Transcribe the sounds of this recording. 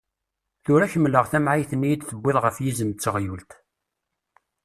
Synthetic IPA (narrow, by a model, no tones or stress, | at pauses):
θʊɾæçəmːləʁθæmʕajθənːijid̪θəbʷːɪðˤʁəfjizəmt͡sːəʁjult̪